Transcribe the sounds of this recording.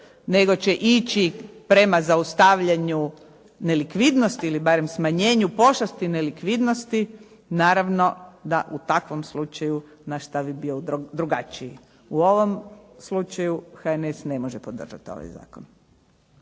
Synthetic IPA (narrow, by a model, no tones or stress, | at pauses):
ne̞ɡo̞t͡ʃeʔit͡ʃipɾe̞mazaust̪aʋʎaɲu | ne̞likʋid̪nost̪iilibaɾe̞msmaɲe̞ːɲupo̞ʃlast̪inelikʋid̪nost̪i | naːɾaʋno̞d̪aʔut̪akʋo̞mslut͡ʃaju | naʃt̪aʋibiod̪ɾuɡat͡ʃiji | uo̞ʋo̞mslut͡ʃajuxaenesne̞mo̞ʒepo̞d̪r̩ʒa̰t̪io̞̰ʋa̰jza̰ːkon